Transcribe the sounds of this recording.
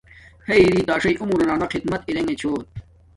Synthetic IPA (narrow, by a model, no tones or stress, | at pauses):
heiɾiːt̪aːʂɐjʔumuɾɐnaːnɐqid̪mɐt̪iɾeŋet͡ɕʰoː